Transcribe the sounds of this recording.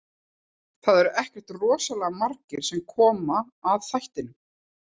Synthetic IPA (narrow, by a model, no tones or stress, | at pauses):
θaðɛɾɛhcɛr̥t̪rɔːsalɛɣamaɾcɪɾ̥sɛmkʰɔːmaː | ðθajht̪ɪnʏm